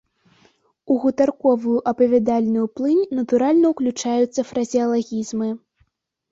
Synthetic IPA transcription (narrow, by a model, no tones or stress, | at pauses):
uɣut̪arkɔvujuʔɐpɐvʲad̪alʲnɨjuplˠɨnʲnɐt̪uɾalʲnɐuklʲut͡ʂajut̪sːɐfɾɐzʲiɐlˠaɣʲizmɨ